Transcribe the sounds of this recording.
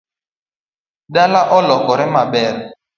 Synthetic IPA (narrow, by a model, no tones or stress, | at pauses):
ɗalaʔɔlɔkɔɾɛmabɛɾɛ